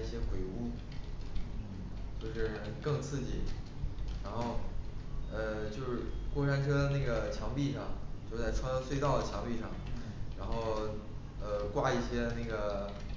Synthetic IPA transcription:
i˥˩ɕjɛ˥xwe˨˩ɪu˥ | n̩˥˩ | t͡ɕjo˥˧ʊʂɻ̩˥˩kɤ˥˧ŋt͡sʰɹ̩˥˧t͡ɕi˨˩ | ɻa˧˥nxo˥˩ʊ | ə˧t͡ɕjo˥˧ʊʂɻ̩˥˩kwɔ˥˩ʈ͡ʂʰa˥nʈ͡ʂʰɤ˥d̪ə˧na˥˩ɡə˩t͡ɕʰjɑ˧˥ŋpi˥˧ʂɑ˥˩ŋt͡ɕjo˥˧ʊt͡sa˥˩ɪʈ͡ʂʰwa˥n˥swe˥˧ɪt̪ɑ˥˩ʊd̪ə˩t͡ɕʰjɑ˧˥ŋpi˥˧ʂɑ˥˩ŋ | ɻa˧˥nxo˥˩ʊ | ə˧kwa˥i˥˩ɕjɛ˥na˥˩ɪɡə˩

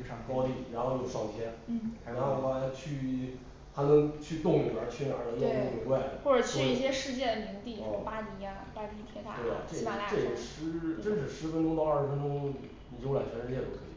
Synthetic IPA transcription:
ʂɑ˥˩kɑ˥ʊt̪i˥˩ɻa˧˥nxo˥˧ʊjo˥˩ʊʂɑ˥˩ŋt̪ʰjɛ˥nn̩˥˩kʰa˨˧˩na˥a˧˩ma˥˧˥t͡ɕʰy˥˧ | t̪ʰa˥nə˧˥ŋt͡ɕʰy˥˧t̪ʊ˥˩ŋli˨˩bə˞˧˥t͡ɕʰy˥˩na˨˧˥nə˧˥jo˥˧˥t̪ke˧˥wa˥˩ɪ˨˩xwɔ˥˩ʈ͡ʂə˨˩t͡ɕʰy˥i˥˩ɕjɛ˥ʂɻ̩˥˧t͡ɕjɛ˥˩d̪ə˩mi˧˥ŋt̪i˥˩˥pa˥ni˧˥a˧a˥˧˩pi˥˩t̪ʰjɛ˥t̪a̰˥˧t̪we˥˩ɪ̰˨˩ʈ͡ʂe˥˩˥e˥˩jə˨˩ʂɻ̩˧˥ʈ͡ʂə˥nʂ̬ɻ̩˥˩ʂɻ̩˧˥fə˥nʈ͡ʂʊ˥ŋt̪ɑ˥˧ʊɐ˞˥˩ɻfə˥nʈ͡ʂʊ˥ŋ | ni˨˩t͡ɕla˨˩t͡ɕʰɛ˧˥nʂɻ̩˥˧t͡ɕjɛ˥˩t̪u˧˩kʰɤ˧˥ḭ˨˩

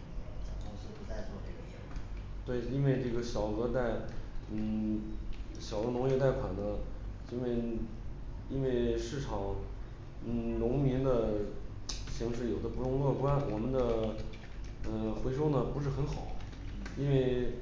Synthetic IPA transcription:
t̪ʊ˧˥ɕi˧pu˧˥t͡sa˥˧ɪt͡swɔ˥˧ʈ͡ʂe˥˩ɡə˩t͡ɕɛ˧˩˨t̪we˥˩ɪi˥nwe˥˧ɪʈ͡ʂɤ˥˩ɡə˩ɕjɑ˨˩ʊɤ˧˥t̪a˥˩ɪn̩˥˩ | ɕjɑ˨˩ʊd̪ə˦nʊ˧˥ŋjɛ˥˧t̪a˥˩ɪkʰwa˨˩nnə˦ | i˥nwe˥˧ɪ | i˥nwe˥˧ɪʂɻ̩˥˩ʈ͡ʂʰɑ˨˩˦ŋ | n̩˥˩lʊ˧˥ŋmi˧˥nd̪ə˧ | ɕi˧˥ŋʂɻ̩˥˩jo˨˩ʊd̪ə˦pʈ͡ʂʊ˥ŋɤ˥˧kwa˥nwɔ˨˩mə˦nd̪ə˧ | ə˥˧xwe˧˥ɪʂo˥ʊnə˨pu˧˥ʂɻ̩˥˩xə˧˥nxɑ˨˩˦ʊ | i˥nwe˥˩ɪ

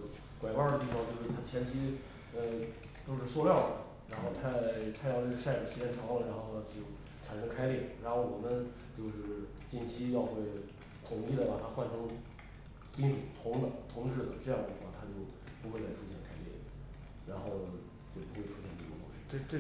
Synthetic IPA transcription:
kwa˨˩ɪwa˞˥˧d̪ə˩t̪i˥˩fɑ˧ŋt͡ɕjo˥˧ʊʂɻ̩˥˩t̪ʰa˥t͡ɕʰjɛ˥nt͡ɕʰi˥ | ə˧ | t̪o˥ʊʂɻ̩˥˧swɔ˥˧ljɑ˥˩ʊd̪ə̰˩ | ɻa˧˥nxo˥˧ʊt̪ʰa˥˧ɪt̪ʰa˥jɑ˥˧ʊ˥˩ʂa˥˩ɪʈ͡ʂ̩˨˩ɕʰɛ˥˩nʈ͡ʂʰɑ˧˥ŋlə˨ɻa˧˥nxo˥˧˥ʊn˧˩˥t͡ɕjo˥˩ʊ | ʈ͡ʂʰa˨˩nʂɤ˥ŋkʰa˥ɪlji˥˩ɻa˧˥nxo˥˩ʊwɔ˨˩mə˦n | t͡ɕjo˥˧ʊʂɻ̩˥˩ | t͡ɕi˥˩nt͡ɕʰi˥jɑ˥˧ʊxwe˥˩ɪ | t̪ʰʊ˨˩ŋi˥˩d̪ə˩pa˨˩t̪ʰa˥xwa˥˩nʈ͡ʂʰɤ˧˥ŋ | t͡ɕi˥nʂu˨˩t̪ʰʊ˧˥ŋd̪ə˨t̪ʰʊ˧˥ŋʈ͡ʂɻ̩˥˩d̪ə˩ʈ͡ʂɤ˥˧jɑ˥˩ŋd̪ə˧˩xwa˥˩t̪ʰa˥t͡ɕjo˥˩ʊ | pu˧˥xwe˧ɪt͡sa˥˩ɪʈ͡ʂʰu˥ɕjɛ˥˩nkʰa˥lɛ̰˥˩ | ɻa˧˥nxo˥˩ʊ | t͡ɕjo˥˩ʊpu˧˥xwe˥˩ɪʈ͡ʂʰu˥ɕjɛ˥˧nt̪i˥˩˥t̪ʊ̰˧˥ŋɕi˥˩

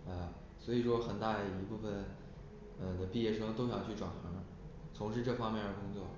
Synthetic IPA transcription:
ə˧˩ | swɔ˧˥i˨˩ʂwɔ˥xə˨˩nt̪a˥˩d̪ə˩i˧˥pu˥˩fə˨˩n | ə˧˩d̪ə˩pi˥˧jɛ˥˩ʂɤ˥ŋt̪o˥ʊɕt͡ɕʰʈ͡ʂwa̰˨˩nxɤ˧˥ə˧ | t͡sʰʊ˧˥ŋʂɻ̩˥˧ʈ͡ʂɤ˥˩fɑ˥ŋmjɛ˥˩nə˞˧˥kʊ˥ŋt͡swɔ˥˩

